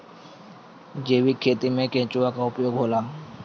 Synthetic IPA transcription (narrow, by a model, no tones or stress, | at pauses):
d͡ʒeːʋikʰeːt̪imẽkẽːt͡ʃuakaʊpjoːɡɦoːlaː